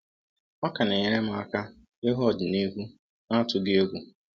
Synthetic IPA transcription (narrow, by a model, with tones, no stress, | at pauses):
ɔ˦ka˨ne˨ɲe˦ɾe˦m̩˨a˨ka˦ | e˦ɦɔ˦˨dɪ˨ni˦ɦu˦ | na˦tʊ˨ɡɪ˦e˦ɡʷu˨